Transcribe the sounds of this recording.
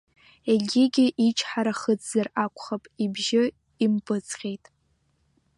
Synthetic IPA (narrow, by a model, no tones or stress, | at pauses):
eɡʲɪɡʲɪʔit͡ʃʰʼħaɾaχəd͡zʼzarakʷʰʼχapʼibʒɪ | impʼɨt͡sʰʼχʲejtʼ